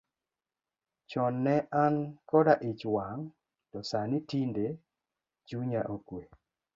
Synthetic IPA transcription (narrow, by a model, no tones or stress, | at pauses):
t͡ʃɔnːɛʔankɔdaʔɪt͡ʃwaŋ | tɔsanɪtinde | d͡ʒuɲaʔokwe